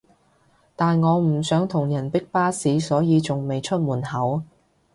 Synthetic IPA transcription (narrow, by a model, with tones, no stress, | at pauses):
t̪aː˨nŋɔː˨˧m̩˨˩sœː˨˥ŋt̪ʰʊ˨˩ŋjɐ˨˩npɪ˥k̚paː˥siː˨˥sɔː˨˥jiː˨˧t͡sʊ˨ŋme˨jt͡ʃʰɵ˥t̚muː˨˩nhɐ˨˥w